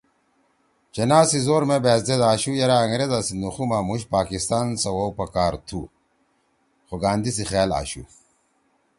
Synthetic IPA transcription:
t͡ɕenaːsizoːɾmebeːzd̪ed̪aːɕujɐɾaːŋɾed̪asinuxumaːmuɕ̬paːkist̪aːnsɐwɐwpɐkaːɾt̪ʰu | xoɡaːnd̪is̬ixaːla̰ːɕṵ

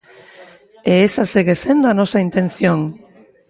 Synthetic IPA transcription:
eesaseɣesend̪oanosaint̪ẽn̟θjoŋ

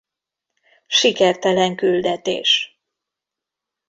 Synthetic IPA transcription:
ʃikɛrt̪ɛlɛŋkyld̪ɛt̪ḛːʃ

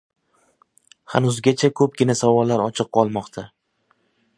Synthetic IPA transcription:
ha̰nʊzɡʲat͡ʃʰakʰɵp̚ɡʲɪnasavɒlːaɾɒt͡ʃʰɨq̚qʰɒlˠmɒqt̪ʰa

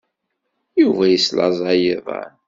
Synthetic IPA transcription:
juvæjislɑ̰zˤɑjiðˤɑ̰ɾ

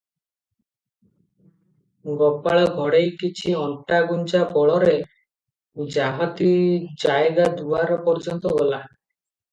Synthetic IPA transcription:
ɡɔpaɭɔɡʱɔɽejkit͡ʃʰiɔɳʈaɡunt͡ʃapɔɭɔɾe | d͡ʒaɦɔt̪id͡ʒaeɡad̪uaɾɔpɔɾd͡ʒɔnt̪ɔɡɔla

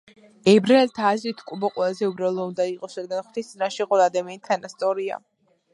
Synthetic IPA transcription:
ɛbɾaɛlt̪ʰaːzɾit̪ʰkʼubɔqʼwɛlˠazɛubɾalˠɔund̪aiqʼɔsɾad̪̚ɡanχwd̪ist̪sʼinaʃiqʼɔlˠaːd̪amianit̪ʰanast̪sʼɔɾia̰

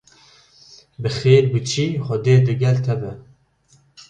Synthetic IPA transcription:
bɨxeːɾbɨt͡ʃʰiːxɔd̪eːd̪ɨɡɛlt̪ʰɛbɛ

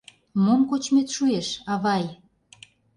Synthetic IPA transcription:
momkot͡ɕmet̪ʃueʃɑβɑj

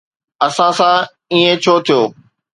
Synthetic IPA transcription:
ɐsãsã | iːẽt͡ɕʰoːt̪ʰijoː

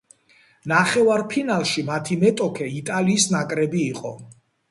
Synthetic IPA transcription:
naχɛvaɾpʰinalˠʃimat̪ʰimɛt̪ʼɔkʰɛit̪ʼaliːsnakʼɾɛbiːqʼɔ̰

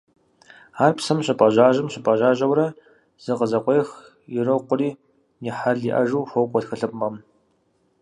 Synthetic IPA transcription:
aːrpsɐmɕɪpʼɐʑaːʒɨmɕɪpʼɐʑaːʒɐwrɐ | z̥ɨqəzɐqʷɔjx | jɪrɐqʷʊriː | nɪħaɮiʔɐʒuwxʷowkʷʼɔtxɨɬɨpʼmɐm

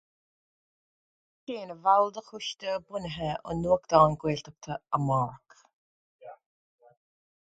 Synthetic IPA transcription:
ʃeːnəvalˠd̪əxʊʃt̪əbʊnəɦɛʔɔ̰nuːəkd̪̥ɔːnɡweːɬt̪ək̚t̪ʰəəmɔːɹk

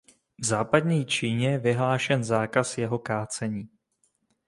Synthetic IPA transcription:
vzaːpad̪ɲɛjt͡ʃiːɲɛjɛvɪɦlaːʃɛnzaːkasjɛɦokaːt͡sɛɲiː

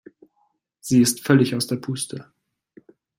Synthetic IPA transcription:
z̥iːɪstfœlɪçaʊsd̥eːɐpʰuːstʰə

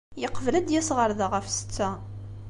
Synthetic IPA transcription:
jəqːvəlæd̪jæsʁəɾðaʁəfsə̥t͡sːæ

